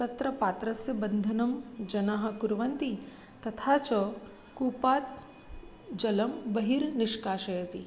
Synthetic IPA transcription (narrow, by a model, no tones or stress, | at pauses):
t̪ɐt̪ɾɐpaːt̪ɾɐsjɐbɐnd̪ʱɐnɐmd͡ʒɐnaɦɐ̆kuɾʋɐnt̪i | t̪ɐt̪ʰaːt͡ʃɐ | kuːpaːt̪̚ | d͡ʒɐlɐmbɐɦiɾniʂkaːʃɐjɐt̪i